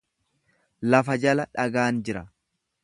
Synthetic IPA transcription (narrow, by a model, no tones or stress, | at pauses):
lɐfɐd͡ʒɐlɐᶑɐɡaːnd͡ʒɪɾɐ